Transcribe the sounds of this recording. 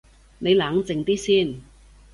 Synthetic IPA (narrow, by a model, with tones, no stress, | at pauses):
ne˨˧jlaː˨˥ŋt͡sɪ˨˩ŋt̪iː˥siː˥˩n